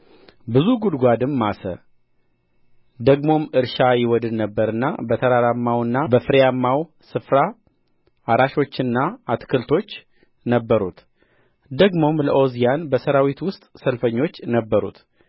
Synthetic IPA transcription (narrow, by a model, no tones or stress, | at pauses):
bɨzuɡud̪ɡʷad̪ɨmːasə̰ | d̪əɡmo̞mɨɾʃajɪwɔd̪ɨd̪nəbːəɾɨnːa̰bət̪ʰəɾaɾamːawɨnːabəfɨɾijamːaw | sɨfɾa | aɾaʃo̞t͡ʃːɨnːaat̪kʰəlt̪ʰo̞t͡ʃː | nəbːəɾut̪ | d̪əɡmo̞mləʔo̞zijanbəsəɾawit̪wʊst̪ʼsəlfəɲːo̞t͡ʃːnəbːəɾṵt̪